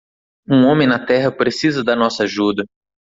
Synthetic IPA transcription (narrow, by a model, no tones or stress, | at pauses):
ũõmẽj̃nɐt̪ɛɦɐpɾesizɐd̪ɐnɔsɐaʒud̪ɐ